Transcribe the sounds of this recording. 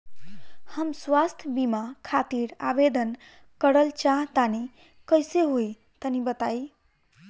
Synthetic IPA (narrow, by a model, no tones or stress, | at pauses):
həmswast̪ʰbimakʰat̪iɾa̰bed̪ən | kəɾəlt͡ʃaɦt̪ani | kəjseɦoj | t̪ənibət̪ai